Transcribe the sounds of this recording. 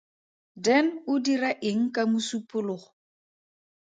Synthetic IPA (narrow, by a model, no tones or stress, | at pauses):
dɛnʊdiraʔɪŋ̩kʼamʊsupʼʊlʊχʊ